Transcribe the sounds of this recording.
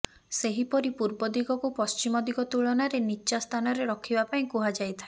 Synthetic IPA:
seɦipɔɾipuɾbɔd̪iɡɔkupɔst͡ʃimɔd̪iɡɔt̪uɭɔnaɾeniːʃast̪ʰanɔɾeɾɔkʰibapaĩkuɦad͡ʒajt̪ʰae

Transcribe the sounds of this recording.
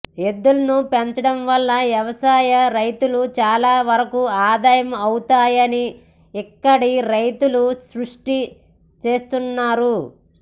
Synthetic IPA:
e̞d̪ːulɐnupeɲt͡ʃɐɽɐmʋɐlːɐʋjɐʋɐsaːjɐɾɐjt̪ulut͡ʃaːlaːʋɐɾɐkuaːd̪aːjɐmɐwut̪aːjɐni | ɛkːɐɽiɾɐjt̪ulusɾuʂʈi | t͡ʃe̞ːst̪unːaːɾu

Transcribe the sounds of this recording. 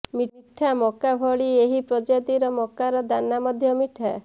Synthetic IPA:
miʈʰamɔkabʱɔɭieɦipɾɔd͡ʒad̪iɾɔmɔkaɾɔd̪anːamɔd̪ʱjɔmiʈʰa

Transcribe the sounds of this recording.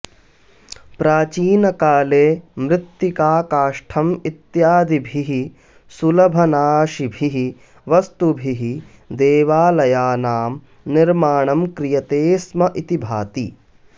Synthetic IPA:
pɾaːt͡ʃiːnɐkaːleːmɾɪt̪ːikaːkaːʂʈʰɐmit̪jaːd̪ibʱiɦi | sulɐbʱɐnaːʃibʱiɦi | ʋɐst̪ubʱiɦi | d̪eːʋaːlɐjaːnaːm | niɾmaːɳɐmkɾijɐt̪eːsmɐʔit̪ibʱaːt̪i

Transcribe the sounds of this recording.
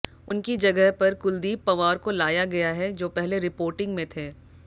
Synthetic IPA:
ʊnkid͡ʒɐɡəɦpɐɾkʊld̪iːbpːɐʋaːɾkolaːjaɡɐjaɦɛd͡ʒoːpɛɦleɾɪpoːɾʈɪ̃ŋɡmẽt̪ʰeː

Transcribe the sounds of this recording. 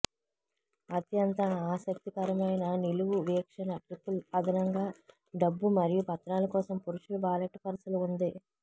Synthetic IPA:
ɐt̪jɐnt̪ɐaːsɐk̚t̪ikɐɾɐmɐjnɐniluʋuʋiːkʂɐnɐʈɾipːulɐd̪ʱɐnɐŋɡaː | ɖɐbːumɐɾijupɐt̪ɾaːlɐkɔːsɐmpuɾuʂulubaːlɐʈːpɐɾsɐluund̪i

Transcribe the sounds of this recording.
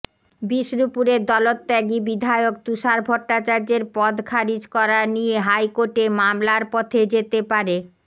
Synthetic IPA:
biʃɾupuɾeɾd̪ɔlot̪ːɛɡibid̪ʱaeokt̪uʃaɾbʱɔʈːat͡ɕaɾd͡ʑeɾpɔd̪kʰaɾid͡ʑkɔɾanijeɦajkoɾʈemamlaɾpɔt̪ʰed͡ʑet̪epaɾe

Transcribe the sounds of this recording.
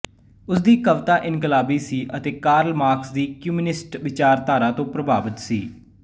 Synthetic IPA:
ʊsd̪iːkəʋt̪aːʔɪnkəlaːbiːsiːʔət̪eːkaːɾəlmaːɾksd̪iːkjuːminɪsʈʋɪt͡ʃaːɾt̪aːɾaːt̪õːpɾəbaːbət̪siː

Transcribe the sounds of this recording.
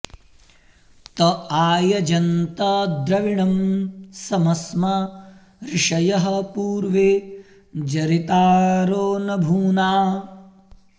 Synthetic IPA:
t̪ɐaːjɐd͡ʒɐnt̪ɐd̪ɾɐʋiɳɐmsɐmɐsmɐ | ɾiʂɐjɐɦɐ̆puːɾʋe | d͡ʒɐɾit̪aːɾoːnɐbʱuːnaː

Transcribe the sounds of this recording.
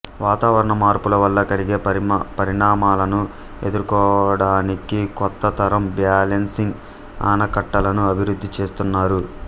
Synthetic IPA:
ʋaːt̪aːʋɐɾɐɳɐmaːɾpulɐʋɐlːɐkɐliɡe̞ːɐpɐɾiɳaːmaːlɐnu | e̞d̪uɾkɔːɐɽaːnikikɔt̪ːɐt̪ʰɐɾɐmbjaːlensiŋɡ | a̰ːnɐkɐʈːɐlɐnuɐbʱiɾud̪ʱːit͡ʃe̞ːst̪unːaːɾu

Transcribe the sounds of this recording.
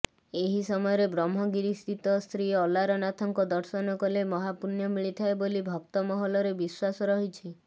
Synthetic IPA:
eɦisɔmɔjɔɾebɾɔmːɔɡiɾist̪it̪ɔst̪ɾiɔlaɾɔnat̪ʰɔŋkɔd̪ɔɾsɔnɔkɔlemɔɦapuɾnjɔmiɭit̪ʰaebolibʱɔk̚t̪ɔmɔɦɔlɔɾebiswasɔɾɔɦit͡ʃʰi

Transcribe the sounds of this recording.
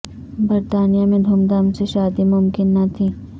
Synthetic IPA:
bɐɾt̪aːnijamẽd̪ʱumd̪amseʃaːd̪imʊmkɪnːɐt̪ʰiː

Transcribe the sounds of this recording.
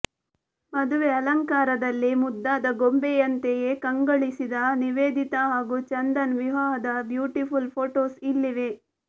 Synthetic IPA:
mɐd̪uʋeɐlɐŋkaːɾɐd̪ɐlːimud̪ːaːd̪ɐɡombejɐnt̪eje̞kɐŋɡɐɭisid̪ɐniʋeːd̪ʱit̪ɐɦaːɡut͡ʃɐnd̪ɐnʋiʋaːɦɐd̪ɐbjuːʈipʰulpʰoːʈoːsilːiʋe̞

